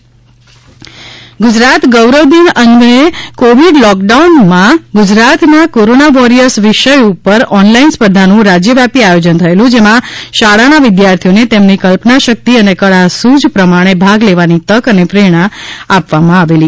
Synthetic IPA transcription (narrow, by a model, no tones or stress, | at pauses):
ɡʊd͡ʒɾat̪ɡəwɾəʋd̪inənɡekoʋiɖlɔk̚ɖaunmãɡʊd͡ʒɾat̪nakoɾonaʋɔɾijəɾsʋɪʃəjupəɾɔnlainspəd̪ʱanũɾad͡ʒjəʋjapiajod͡ʒənt̪ʰəelũd͡ʒemãʃaɽanaʋɪd̪jaɾt̪ʰijonet̪emnikəlpnaʃək̚t̪iənekəɽasud͡ʒpɾəmaɽ̃ebʱaɡleʋanit̪əkənepɾeɽ̃ãapʋamãaʋeli